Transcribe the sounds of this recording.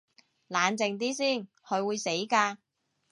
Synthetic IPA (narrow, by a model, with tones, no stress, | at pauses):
laː˨˧nt͡sɪ˨ŋt̪̬iː˥siː˥˩n | hʰɵ˨˧ɥwuː˨˧jse˨˥jkaː˧